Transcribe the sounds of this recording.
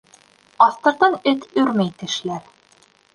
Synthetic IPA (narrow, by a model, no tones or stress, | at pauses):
ɑθt̪ɤ̆ɾt̪ɑnɘt̪ɵɾmæjt̪ɘ̆ʃlæɾ